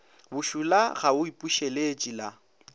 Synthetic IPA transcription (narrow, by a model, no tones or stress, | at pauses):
bʊʃulaɣaʊipʼuʃelet͡ʃʼila